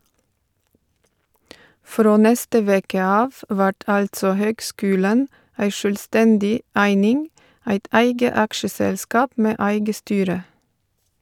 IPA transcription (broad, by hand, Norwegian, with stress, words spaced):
ˈfɾoː ˈnɛstə ˈʋeːkə ˈɑːʋ ˈʋæʈ ˈɑltsɔ ˈhøːɡˌskʉːlən ˈæɪ ʃœlˈstɛndɪ ˈæɪnɪŋ ˈæɪt ˈʔæɪɡə ˈɑkʃəsɛlˌskɑːp ˈmeː ˈæɪɡə ˈstyːɾə